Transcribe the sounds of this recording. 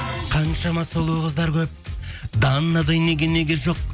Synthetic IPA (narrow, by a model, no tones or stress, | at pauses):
qʰɑnʃɑmɑsolˠuʁəzd̪ɑɾkʲʰɵp̚d̪ɑnːɑd̪ɑjne̞ɡʲenːe̞ɡʲeʒo̞q̚